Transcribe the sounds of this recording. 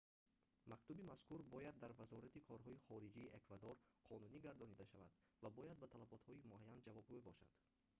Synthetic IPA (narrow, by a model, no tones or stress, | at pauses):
makt̪ubimaskuɾbɔjad̪ːaɾvazɔɾat̪ikʰɔɾɦɔiχɔɾid͡ʒiːʔekvad̪ɔɾqʰɔnuniɡaɾd̪ɔnid̪aʃava̰d̪ | vabɔjad̪̚bat̪ʰalabɔt̪hɔimuajːand͡ʒavɔbɡuebɔʃa̰d̪̥